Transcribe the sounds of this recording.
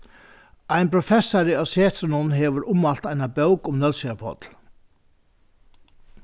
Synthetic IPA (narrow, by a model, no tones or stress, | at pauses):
ajnpʰɾɔfɛsːaɾɪawsɛːt̪ɾnʊnɦɛːʋʏɾʔʊmalt̪ajnabœwkʊmnœlsiapʰɔ̰t̪l